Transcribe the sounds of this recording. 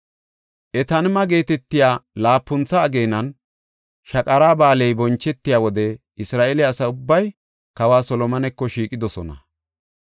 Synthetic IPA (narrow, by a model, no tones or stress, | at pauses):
ʔɛt̪ɐnmɐɡe̞ːt̪ɛt̪ːɪjaːlaːpːʊnt͡sːɐːɡeːnɐn | ʃɐkʼɐɾaːbaːlɛjbɔnt͡ʃːɛt̪ːɪjaːwɔd̪ɛ | ɪsɾaːʔɛlɛɐsɐʊbːɐj | kɐwaːsɔlɔmɐnɛkːɔʃiːkʼɪd̪ɔsɔnɐ̰